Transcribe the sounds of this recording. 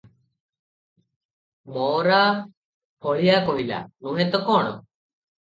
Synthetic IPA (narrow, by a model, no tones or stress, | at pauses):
mɔːɾa | pɔɭijakoɦila̰nũɦɛ̃t̪ɔkɔːɽ̃ɔ